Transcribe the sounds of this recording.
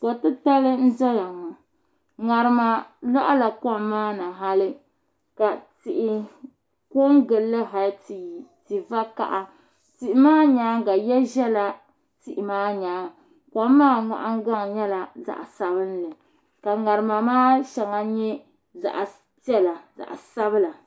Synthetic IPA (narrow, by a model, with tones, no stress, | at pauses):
kɔ˨tɨ˦ta˦lɨ˦n̩˦dɔ˦la˨ŋɔ˨ | ŋa˨ɾɨ˨ma˨la˦ʔa˦la˨kɔ˦˨mmaː˦nɨ˨ɦa˦lɨ˦ | ka˨ti˨ʔɪ˦ | ko˦ŋ˦ɡɨ˨lːɨ˦ɦa˨lti˨va˦ka̰˨ʔa˦ | ti˦˨ʔɪ˦maː˦ɲaː˨˦ŋɡa˨jɛ˦ʒɛ˦la˨ | ti˨ʔɪ˨maː˦ɲaː˨˦ŋ | kʷa˦mː˦aː˦ŋa̰˨ʔa˦ŋ˦ɡa˦ŋ˨ɲɛ˦la˨za̰˨ʔsa˨bɨ˦n˦lɨ˨ | ka˨ŋa˨ɾɨ˨ma˨maː˦ʃɛ˨ŋa˨ɲɛ˦ | za̰˨ʔ | pɛ˦la˨za̰˨ʔsa˦bɨ˦la˨